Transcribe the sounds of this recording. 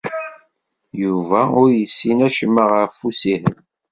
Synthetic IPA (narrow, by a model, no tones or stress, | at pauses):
juvæʊɾjəsːinæʃəmːəʁəɾfusihə̰m